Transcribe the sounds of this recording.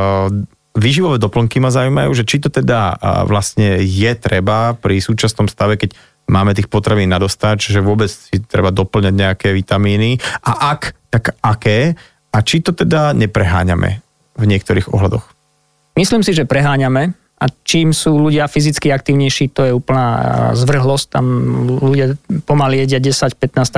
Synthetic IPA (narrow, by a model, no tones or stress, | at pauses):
ʋiːʒiʋɔʋɛːd̪ɔpl̩ŋkimazaʊujma̰juːʒɛt͡ʃit̪ɔt̪ɛd̪aʋlasɲɛjɛt̪ɾɛbapɾisuːt͡ʃasnɔmst̪aʋɛkɛc | maːmɛt̪iːxpɔt̪ɾaʋiːnːad̪ɔst̪acʒɛʋʊɔbɛt͡ssit̪ɾɛ̰bad̪ɔpl̩ɲaɟɲɛakɛːʋit̪amiːniʔa̰ʔakt̪akakɛː | at͡ʃit̪ɔt̪ɛd̪aɲɛpɾɛɦa̰ːɲa̰mɛ̰ | vɲɪɛk̚t̪ɔɾiːɣɔ̰ɦlad̪ɔ̰x | misliːmsiʒɛpɾɛɦaːɲamɛ | ʔat͡ʃiːmsuːluɟɪafizit͡skiak̚t̪iːʊɲɛjʃiːt̪ɔjɛuːpl̩na̰ːzʋr̩ɦlɔsc̚t̪a̰mluɟɪapɔmalijɛɟɪaɟɛsacpɛt̪naːst̪